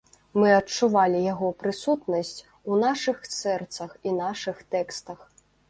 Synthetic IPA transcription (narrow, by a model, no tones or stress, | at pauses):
mɨɐt͡ʂːuvalʲijaɣɔpɾɨsut̪nɐsʲt͡sʲ | unaʂɨxsɛrt̪sɐxinaʂɨxt̪ɛkst̪ɐx